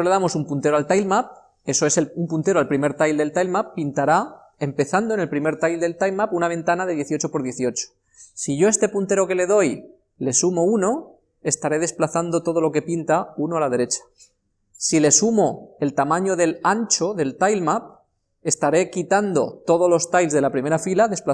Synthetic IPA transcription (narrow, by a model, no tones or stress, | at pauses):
le̞ðamo̞sumpunt̪eoalt̪ajlmap̚ | e̞soe̞selumpunt̪e̞ɾoalpɾime̞ɾt̪ajld̪e̞lt̪ajlmapːint̪aɾa | e̞mpe̞θand̪oene̞lpɾime̞ɾt̪ajld̪e̞lt̪ajlmapunaβ̞e̞nt̪anaðe̞ð̞je̞θiot͡ʃopo̞ɾðje̞θio̞t͡ʃo̥ | siʝo̞e̞st̪e̞punt̪e̞ɾo̞ke̞le̞ðo̞j | le̞sumo̞uno̞ | e̞st̪aɾe̞ð̞e̞splaθand̪o̞t̪o̞ð̞o̞lo̞ke̞pint̪aunoalað̞e̞ɾe̞t͡ʃḁ | sile̞sumo̞e̞lt̪amãɲo̞ðe̞lant͡ʃo̞ðe̞lt̪ajlmap̚ | e̞st̪aɾe̞kit̪and̪o̞̰t̪o̞ð̞olo̞st̪ajlzðelapɾime̞ɾafilaðe̞spla